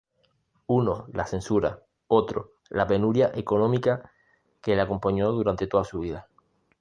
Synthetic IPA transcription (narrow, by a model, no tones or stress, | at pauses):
uno̞lasẽ̞nsuɾa | o̞t̪ɾo̞̰ | lape̞nuɾjaʔe̞ko̞nõmika | ke̞lako̞mpoɲo̞ðuɾant̪e̞t̪o̞ðasuβiða